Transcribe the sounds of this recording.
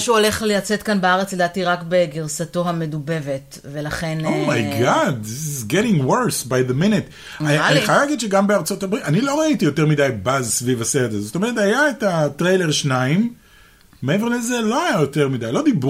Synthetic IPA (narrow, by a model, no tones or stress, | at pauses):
ʃuole̞χlejat͡setkanbaaʁet͡sledatiʁakbeɡiʁsato̞ɦame̞dube̞ve̞t | velaχenomajɡɑdizɡeɾĩŋwəɾsbajðeminet | aaniχajalaːɡidʃeɡambeaʁt͡so̞tabʁitanilo̞ʁaitijo̞teʁmidajbazsvivasedezotomeʁetajaetatʁejleʁʃnaimː | eeve̞ʁlezelo̞ajajo̞te̞ʁmidajlo̞d̪ib